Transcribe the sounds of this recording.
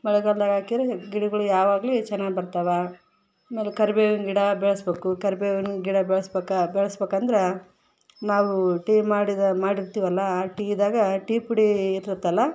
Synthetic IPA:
mɐɭɛɡɐɭd̪aːɡaːkid̪ɾeɡiɽɐɡɐɭujaːʋaːɡlit͡ʃɛnːaːɡibɐɾt̪ɐʋɐː | meːlekɐɾbeːɡunɡiɽɐbɛɭɐsbeːkukɐɾbeːʋunɡiɽɐbɛɭɐsbeːkabɛɭɐsbeːkɐnd̪ɐɾe | naːʋuʈiːmaːɽid̪maːɽiɾt̪iːʋɐlːɐːʈiːd̪aːɡɐʈipuɽiːt̪ːɾɐt̪ːɐlːɐ

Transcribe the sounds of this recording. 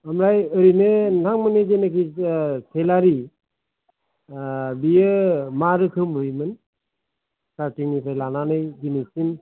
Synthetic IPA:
amɾajəɾinɯnaŋmɯnezenekitʰelaɾi | bijɯmaɾɯkʰɯmɯjmɯn | satiŋnipʰajlananɯjd͡ʒinisin

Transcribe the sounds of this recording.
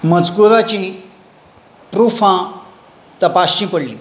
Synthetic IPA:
mɐt͡skuɾat͡ɕĩ | pɾufʰã | t̪ɐpasĩpəɽlĩ

